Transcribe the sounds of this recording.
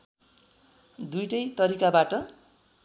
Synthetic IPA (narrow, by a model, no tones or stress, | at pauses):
d̪ujʈʌjt̪ʌɾikabaʈʌ